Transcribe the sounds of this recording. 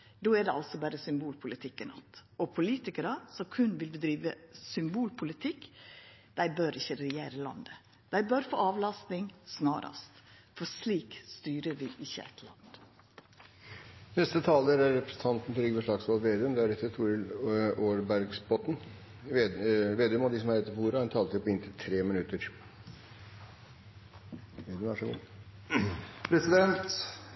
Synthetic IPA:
d̪oːæd̪ɛɑlt̪sɔbæːɾəsʏmbuːlpʰʊlɪt̪ʰɪkːənɑ̰t̪ɔpʰʊliːt̪ɪkəɾɑsɔmkʰʉnʋɪlbɪd̪ɾiːʋəsʏmbuːlpʰʊlɪt̪ʰɪkːd̪̥æɪbøːɾɪçːəɾɛjeːɾəlɑ̰nd̪ə | d̪̥æɪbœɾfo̰ːɑːʋlɑst̪nɪŋsnɑːɾɑ̰st̪fɔɾʂliːkst̪yːɾəɾʋɪʔɪçːə̰ɛ̰t̪ʰlɑ̰nd̪̥ | nɛst̪ət̪ʰɑːləɾæɾːɛpɾə̥sən̩t̪ʰɑnt̪n̩t̪ʰɾʏɡəʋəʂɭɑɡsɔlʋeːd̪ɛœmd̪ɛæɾɛt̪ːət̪ʰuːɾlʔoːɾbæɾɡsbɔt̪n̩ | ʋeːd̪ɛœmɔd̪ɪsɔmæɾɛt̪ːəpɔuːɾəɛnt̪ʰɑːlt̪ʰɪpɔɪnt̪ʰət̪ʰɾeːmɪnʉt̪əɾ | ʋeːd̪əmæʂɔɡṵː | pʰɾɛsɪd̪ɛnt̪

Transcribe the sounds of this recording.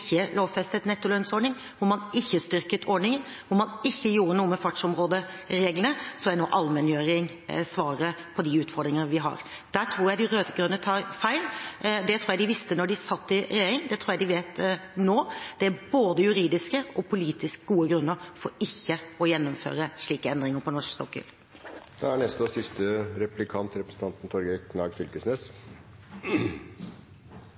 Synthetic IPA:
çːəlʔoːʋfɛst̪ət̪nɛt̪ːʊlœnsɔɖɳɪŋ | ʋʊmɑnɪçːəst̪ʏɾkət̪ʰɔɖɳɪŋən | ʋʊɾmɑnɪçːəjuːɾənuːəmɛfɑʈʂɔmɾoːd̪əɾeːɡlənəsɔæno̰ːʔɑlmɛnjøːɾɪŋ | sʋɑːɾəpʰɔd̪ɪʉːt̪fɔɾd̪ɾɪŋənəʋɪɦɑ̰ɾ | d̪̥æʈ̪ʰɾuːɾjæɪd̪ɪɾøːt̪əɡɾʉnːət̪ʰɑːɾfæɪld̪ɛt̪ʰɾuːjæd̪ɪʋɪst̪ənɔɖɪsɑt̪ːɪɾɛjeːɾɪŋd̪ɛt̪ʰɾuːjæɪd̪ɪʋeːt̪noːd̪̥ɛæboːd̪əjʉɾiːd̪ɪskəɔpʰʊliːt̪ɪskɡuːəɡɾʉnːəɾfɔɾɪçːəɔjɛnːɔmfø̰ːɾəʂɭiːkəɛnd̪ɾɪŋəɾpʰɔnɔʂkst̪ɔkːʏ̰ːl | d̪̥ɛæɳɛst̪ɔsɪst̪əɾɛplɪkʰɑnt̪ɾɛpɾəsn̩t̪ʰɑnt̪n̩t̪ʰɔɾɡəkʰnɑːɡfʏlkəsneːs

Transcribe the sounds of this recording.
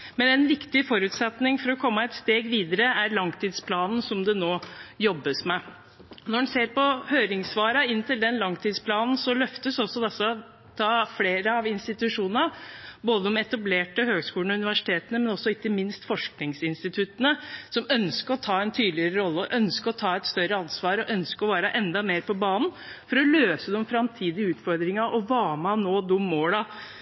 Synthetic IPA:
mɛnæɛnʋɪkt̪ɪfɔɾʉt̪sɛt̪nɪŋfɔɾɔkʰɔmːəɛt̪st̪eːɡʋiːd̪əɾəæɾɭɑŋt̪ʰiːd̪spʰlɑːnn̩sɔmd̪ɛnoːjɔbːəsmɛ | nɔɖɛnseːɾpɔhøːɾɪŋsʋɑːɾɑɪnt̪ɪld̪ɛnlɑŋt̪ʰiːd̪spʰlɑːnn̩sɔlœft̪əsɔsːɔd̪ɛsːəɔ | t̪ʰɑːfleːɾəɑʋɪnst̪ɪt̪ʉʂuːnəəboːd̪əɔmɛt̪ɑbleːʈəhøːɡskuːlɳ̩ɔʉnɪʋæʂɪ̥t̪ʰeːt̪ənəmɛnɔsːɔɪkːəmɪnst̪fɔʂknɪŋsɪnst̪ɪt̪ʰʉt̪ənəsɔmœnskəɾɔt̪ʰɑːɛnt̪ʰyːd̪lɪəɾəɾɔlːəɔʔœnskəɾɔt̪ʰɑːɛt̪st̪œɾəɑnsʋɑːɾɔʔœnskəɔʋæːɾəʔɛnd̪ɑmeːɾpʰɔbɑːnn̩fɔɾɔløːsəd̪ɛɔmfɾɑmt̪ʰiːd̪ɪəʉːt̪fɔɾd̪ɾɪŋɑʔɔʋɑːmɑnoːd̪ʊmːoːlɑ

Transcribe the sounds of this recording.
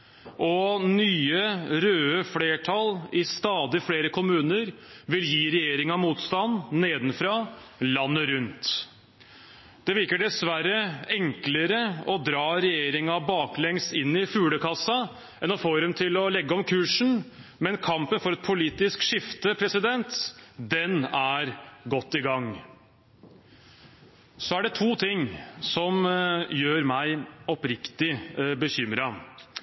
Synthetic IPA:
ʔɔnyːəɾøːəfleːʈʰɑlɪst̪ɑːd̪ɪfɽeːɾəkʰʊmʉːnəɾʋɪljiːɾɛjeːɾɪŋɑmuːt̪st̪ɑnːeːd̪n̩fɾɑlɑnːəɾʉnt̪ | d̪̥ɛʋɪɾkəɖɛsʋæɾəɛŋkləɾəɔd̪ɾɑːɾɛjeːɾɪŋɑbɑːklɛŋst̪ɪnːɪfʉːləkʰɑsːɑ | ɛnɔfoːɾɛmt̪ʰɪlɔlɛɡːəɔmkʰʉːʂɳ̩ | mɛnkʰɑmpənfɔɾɛt̪pʰʊliːt̪ɪskʂɪft̪əpʰɾɛsɪd̪ɛnt̪d̪ɛnæɾɡɔt̪ːɪɡɑŋː | sɔæɖɛt̪ʰuːt̪ʰɪŋːsɔmjøːɾmæɪɔpɾɪkt̪ɪbəçʏmɾɑ

